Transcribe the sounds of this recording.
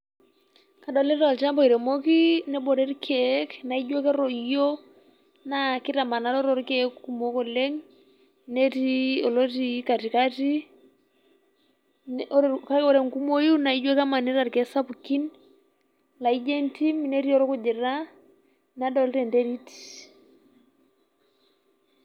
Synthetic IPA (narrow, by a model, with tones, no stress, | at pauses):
ka˨dɔ˨lɛ˦ɾa˨lt͡ʃa˦mbɔ˨i˨ɾɛ˨mo˦ki˦nɛ˦bɔ˨ɾɛ˦ɾkʰɛ˦kna˨i˦d͡ʒwe˦kɛ˦ɾɔ˨ijo˦ | na˦kɪ˦ta˨ma˨na˦lɔ˦ɾɔ˦ɾkɛkku˦mo˦kɔ˦le˦ŋ | ne˦ti˦ɔ˨lo˦ti˦ka˨ti˨ka˦ti˦ | nɔɾka˦ɔ˦ɾɛ˨ŋku˦mo˦ju˦na˨i˦d͡ʒwɛ˦ka˦ma˨ni˦ɾa˨ɾkɛ˨˦sa˦puki˦n | la˨i˦d͡ʒɛ˦nti˦mne˦ɾi˦ɔ˦ɾɔ˦ku˦d͡ʒɛ˨ɾa˦ | na˦dɔ˦lɾɛ˨ndɛ˦ɾi˦ti̥